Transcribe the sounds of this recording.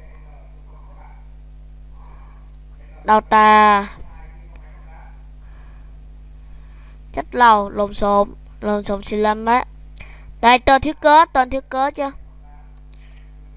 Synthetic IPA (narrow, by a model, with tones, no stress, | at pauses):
ɗa˨˩wt̪aː˧˩ | t͡ɕə˦˥t̚la˨˩wlo˨˩mso˨˦m | lo˨˩mso˨˦msi˧˩la˧mə˧˦ | ɗa˨˧˩jt̪əː˧˩t̪ʰi˦˥əkəː˨˦t̪əː˧˩nt̪ʰi˦˥əkəː˨˦t͡ɕɨ˧